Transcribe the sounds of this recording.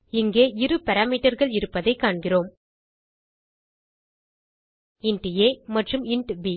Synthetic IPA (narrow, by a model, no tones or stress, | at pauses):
ɪŋɡeːɪɾɯpɐɾaːmiːʈɐɾɣɐɭɪɾɯpːɐðɐɪkːaːɳɡɪroːm | ɪɳʈeːmɐʈrɯmɪɳʈʋiː